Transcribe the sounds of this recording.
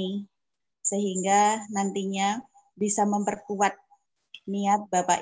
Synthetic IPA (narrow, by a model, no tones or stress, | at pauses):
səɦiŋɡanant̪iɲa | bisaməmpərkuat̪̚ | niat̪̚bapa̰ʔ